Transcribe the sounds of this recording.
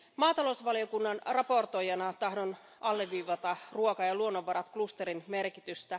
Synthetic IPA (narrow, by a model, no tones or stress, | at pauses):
mɑːt̪ɑlosʋɑliokunːɑnrɑpo̞rt̪o̞jɑnɑt̪ɑɦdon | ɑlːeʋːiːʋɑt̪ɑruokɑjɑluonːoʋːɑɾɑt̪klust̪eɾinme̞rkit̪yst̪æ